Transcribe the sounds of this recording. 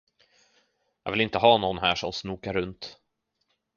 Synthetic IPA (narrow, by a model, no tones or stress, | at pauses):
jɑːɡvɪlɪnt̪əɦɑːnɔnːɦæːʂɔmsnuːkaɾɵnt̪